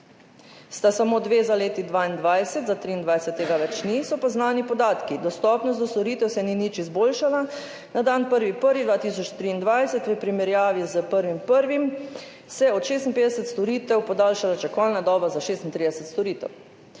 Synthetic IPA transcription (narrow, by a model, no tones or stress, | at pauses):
st̪asamod̪ʋeːzaleːt̪id̪ʋaːind̪ʋajsɛt̪zat̪ɾiːnd̪ʋajsɛt̪ːeːɡaʋɛt͡ʃnisɔpaznaːnipɔd̪aːt̪kid̪ɔst̪ɔːpnɔst̪d̪ɔst̪ɔɾiːt̪ɛwsɛninit͡ʃizboːlʃala | nad̪anpəɾʋipəɾʋid̪ʋaːt̪is̬ɔt͡ʃt̪ɾiːnd̪ʋajsɛt̪ʋəpɾimɛɾjaːʋizəpəɾʋimpəɾʋim | sɛɔt̪ʃeːst̪inpeːd̪ɛsɛt̪st̪ɔɾiːt̪ɛwpɔd̪aːlʃalat͡ʃɛkɔlnad̪ɔːbazaʃeːst̪int̪ɾiːd̪ɛsɛt̪st̪ɔɾiːt̪ɛ̰w